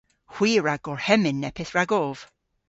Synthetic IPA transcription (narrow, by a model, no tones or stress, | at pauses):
hw̥iːɹaɡɔɹhɛmɪnːɛpʰɪθɹaɡɔv̥